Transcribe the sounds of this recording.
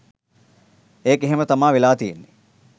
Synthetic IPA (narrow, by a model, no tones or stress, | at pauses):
eːkeɦemət̪amaːʋelaːt̪ijenːe